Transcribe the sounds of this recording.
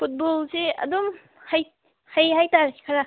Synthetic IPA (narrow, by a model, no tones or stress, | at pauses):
pʰut̚bolseɐ̰dom | haj | hajɦajtaɾkʰi̥kʰaɾa